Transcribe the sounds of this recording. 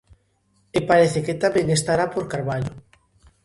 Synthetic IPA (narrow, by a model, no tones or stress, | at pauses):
epaɾeθeket̪amẽŋest̪aɾapoɾkaɾβaʎo